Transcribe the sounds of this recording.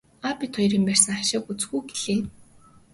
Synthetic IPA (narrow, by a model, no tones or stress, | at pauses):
apʲit̪ʰχɔjɾiːmpær̥ʲsə̆ŋaʃɪ̆kut͡sɡujɡeɮ̥eː